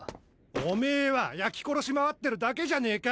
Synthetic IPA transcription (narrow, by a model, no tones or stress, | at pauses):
ome̞ːβajakʲi̥ko̞ɾo̞ɕimaβat̪ːe̞ɾɯ̟d̪ake̞ʑane̞ːka